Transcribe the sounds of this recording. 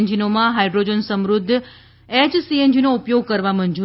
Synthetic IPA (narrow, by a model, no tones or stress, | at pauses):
nd͡ʒinomãɦajɖɾod͡ʒənsəmɾʊd̪ʱː | ed͡ʒsiend͡ʒinoupjoɡ̚kəɾʋamənd͡ʒu